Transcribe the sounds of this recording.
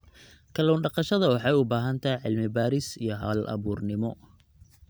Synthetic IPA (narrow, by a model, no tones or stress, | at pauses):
kʰɐlɔːnɖɑqɑʃɐðɐwɑħɑjʊbaːɦɐnt̪ʰɐjʕɪlmɪbaːɾɪsijɔɦa̰ːlʔɐ̰βuːrnɪmɔ